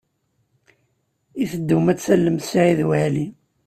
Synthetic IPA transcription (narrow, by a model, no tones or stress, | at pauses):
iθəd̪ːumæt͡sːælːəmsʕiðwaʕli